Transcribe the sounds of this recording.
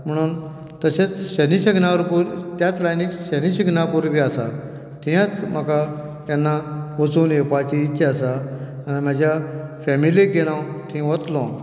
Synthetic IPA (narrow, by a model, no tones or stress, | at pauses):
m̤əɽ̃uːn | t̪əset͡sɕəniɕiɡnaʋəɾpuɾt̪jat͡slajnikɕəniɕiɡnapuɾbʱiasa̰ | t̪ʰĩãt͡sm̤əka | t̪janːaʋət͡suːnjepat͡ɕiːtːɕʰeasaːnim̤ad͡ʑjafɛmiliɡeɽ̃ãwt̪ʰĩʋət̪lɔ̃